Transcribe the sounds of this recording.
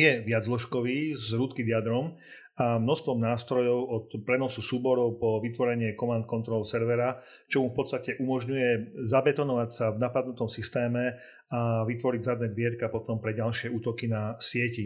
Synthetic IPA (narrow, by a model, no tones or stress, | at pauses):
jɛʋɪad͡zlɔʃkɔʋiːzɾuːt̪kid̪ɪad̪ɾɔm | amnɔst̪ʋɔmnaːst̪ɾɔjɔʊɔt̪pɾɛnɔsusuːbɔɾɔʊpɔʋit̪ʋɔɾɛɲɪɛkɔmant̪̚kɔnt̪ɾɔlsɛɾʋɛɾa | t͡ʃɔmufpɔt̪st̪acɛʔumɔʒɲujɛzabɛt̪ɔnɔʋacsavnapad̪̚nut̪ɔmsist̪ɛːmɛ | aʋit̪ʋɔɾiɟzad̪nɛːd̪ʋɪɛɾkapɔt̪ɔmpɾɛɟalʃɪɛuːt̪ɔkinasɪɛci